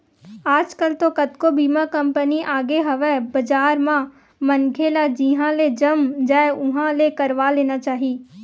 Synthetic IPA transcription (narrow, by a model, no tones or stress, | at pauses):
aːd͡ʒkəlt̪okɐt̪kobʱiːmãkɐ̃mpəniʔaːɡeɦɐʋebɐd͡ʒaːɾmã | mənkʰelad͡ʒiɦãled͡ʒɐmd͡ʒaːeʊɦãlekɐɾʋaleːnat͡ʃaːɦiː